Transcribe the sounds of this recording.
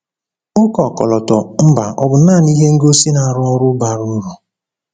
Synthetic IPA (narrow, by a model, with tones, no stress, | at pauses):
ʊ˦kɔ˨kɔ̰˨lɔ˨tɔ˨m̩˦ba˨ɔ˨bʊ˨n̩˦a˦˨ni˦ɦe˦ŋ̩˦ɡo˦si˦na˨ɾʊ˦ɔ˦ɾʊ˦ba˨ɾu˦ɾu˨